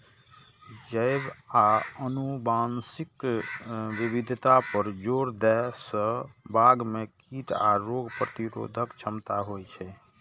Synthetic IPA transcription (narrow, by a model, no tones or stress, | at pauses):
d͡ʒəɪbaənubansik | ʋibid̪ʱt̪apəɾd͡ʒoɾd̪ɛsə̃baɡmekiʈa̰ɾoɡʱpɾət̪iɾo̰d̪ʱəkt͡ʃʰəmt̪aɦojt͡ʃʰɛ